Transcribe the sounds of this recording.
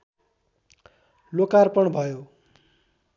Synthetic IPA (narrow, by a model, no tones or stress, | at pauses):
lokarpʌɳbʱʌjo